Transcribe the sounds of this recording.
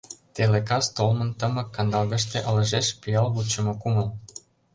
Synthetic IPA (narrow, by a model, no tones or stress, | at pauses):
t̪elekɑst̪olmə̆nt̪ə̆mə̆kːɑnd̪ɑlɣə̆ʃ̬t̪eʔə̆lə̆ʒeʃpyjɑlβut͡ɕə̆mɤkuməl